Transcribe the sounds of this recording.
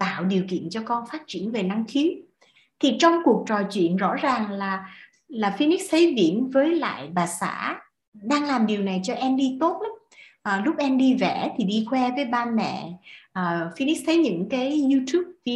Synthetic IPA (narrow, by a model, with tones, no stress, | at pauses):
t̪a̰ː˧˨wɗi˨˩əwkḭ˧˨ənt͡ɕɔ˧kɔ˧nfaː˦˥t̚t͡ɕi˧˩ənve˨˩na˧ŋxʰi˨˦ | t̪ʰi˨˩t͡ɕɔ˧wŋ͡mku˨˩ək̚t͡ɕɔ˨˩jt͡ɕwḭ˧˨ənzɔ̰˧˥zaː˨˩ŋlaː˨˩ | laː˨˩fi˧ni˦˥k̚t̪ʰə˨˦jvḭ˧˩˨ənvəː˨˦jla̰ː˧˨jɓaː˨˩sa̰ː˧˥ | ɗaː˧ŋlaː˨˩mɗi˨˩əwna˨˩jt͡ɕɔ˧ʔɛ˧mɗi˧t̪o˦˥t̚ʔ | ʔəː˨˩lʊ˦˥k͡p̚ʔɛ˧mɗi˧vɛ˧˩t̪ʰi˨˩ɗi˧xwɛ˧vəː˨˦jɓaː˧nmɛ̰˧˨ʔəː˨˩fi˧ni˦˥k̚t̪ʰə˨˦jɲɨ̰˧˥ŋkaː˨˦jɲu˧t̪ʰu˦˥p̚vi˧